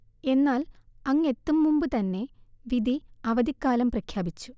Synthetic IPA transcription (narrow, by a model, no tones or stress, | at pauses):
e̞nːaːlɐŋːe̞t̪ːumːumbɨt̪ɐnːe̞ʋid̪ʱiɐʋɐd̪ikːaːlɐmprɐkʰjaːbit͡ɕːu̥